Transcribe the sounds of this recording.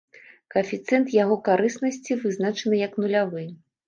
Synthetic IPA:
kɐfʲit̪sɛnt̪jaɣɔkaɾɨsnɐsʲt͡sʲivɨznat͡ʂɐnɨjɐknulʲavɨ

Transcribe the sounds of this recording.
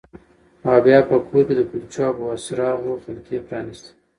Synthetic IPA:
mɑbjɑpəkʰoɾked̪əkult͡ʃɑpəwasɾɑnoxɪlkepɾɑnist̪i̥

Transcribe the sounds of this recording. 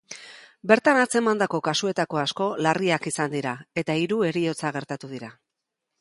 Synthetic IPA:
be̞ɾt̪anat͡se̞mand̪ako̞kasue̞t̪ako̞asko̞lariakisand̪iɾae̞t̪aiɾue̞ɾio̞t͡saɣ̞e̞ɾt̪at̪uðiɾa

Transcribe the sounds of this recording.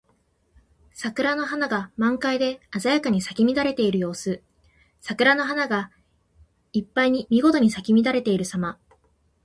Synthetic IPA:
sakɯ̟ɾano̞ɦanaɡamãŋkaid̪e̞azajakaɲ̟isakʲimʲid̪aɾe̞t̪e̞iɾɯjo̞ːsɨ | sakɯ̟ɾano̞ɦanaɡa | ipːaiɲ̟imʲiɡo̞t̪o̞ɲ̟isakʲimʲid̪aɾe̞t̪e̞iɾɯ̟sama

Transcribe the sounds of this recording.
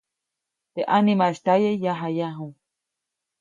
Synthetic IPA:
t̪eʔanimaeʃt̪ajejaɦajaɦũ

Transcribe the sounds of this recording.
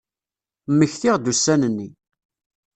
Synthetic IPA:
mːəçθiʁd̪usːænənːi

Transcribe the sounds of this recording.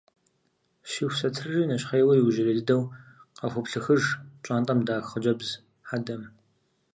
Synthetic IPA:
ʃiːxʷsɐtʰɨrriːnɐɕʼχɐjwɐjiwʒɪlɐdɨdɐwqɐxʷʊpɬɨxɨʐt͡ʃʼaːntʼɐmdaːxχəd͡ʒɐbz | ħadɐm

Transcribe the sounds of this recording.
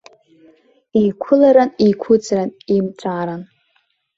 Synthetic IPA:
ikʷʰʊlaɾanikʷʰʊd͡zranimʈ͡ʂʷʰʼaːɾan

